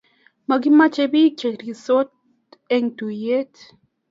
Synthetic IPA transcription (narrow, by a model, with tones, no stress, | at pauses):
ma˨ɡi˦ma˦t͡ʃe˧bi˦t͡ʃe˨ɾi˨so˦t̪ | e˦ŋt̪u˨je˦t̪